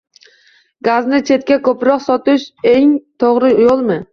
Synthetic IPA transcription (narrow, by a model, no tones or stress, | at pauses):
ɡaznɪt͡ʃʰe̞t̪̚kʲakʰɵpɾɒqsɒt̪ɪʃeŋt̪ʰoʁɾɪjolˠmɪ